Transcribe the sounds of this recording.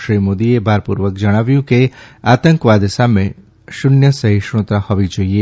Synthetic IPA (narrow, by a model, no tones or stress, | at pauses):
ʃɾimod̪iebʱaɾpṵɾʋəkd͡ʒəɽ̃aʋjũkeat̪əŋkʋad̪esamẽ | ʃunjəsəɦiʃɾõt̪ɾahɔʋid͡ʒoie